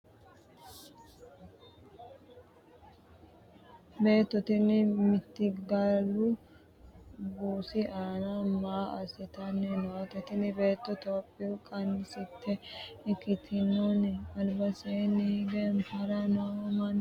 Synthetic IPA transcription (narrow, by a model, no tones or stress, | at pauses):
be̞ːt̪ːɔt̪ɪnmɪt̪ːɪɡalːʊ | ɡuːsɪʔaːnɐmaːʔɐsɪt̪ɐnːɛnɔat̪ɛt̪ɪnɪbe̞ːt̪ːɔt̪oːpʼːɪʊkʼɐnːɪsɪt̪ːɛɪkɪt̪ʰɪnːonɐlbɐseːnːɪhɪɡenfɐɾanamɐn